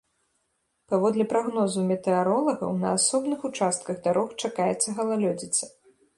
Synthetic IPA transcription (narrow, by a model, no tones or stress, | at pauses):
pavɔd̪lʲipɾaɣnɔzumʲɛt̪ɛaɾɔlˠɐɣɐ̰wnɐ̰asɔbnɨxut͡ʂast̪̚kɐɣd̪aɾɔxt͡ʂakajɛt̪sːɐɣɐlˠalʲɔd͡zʲit̪sɐ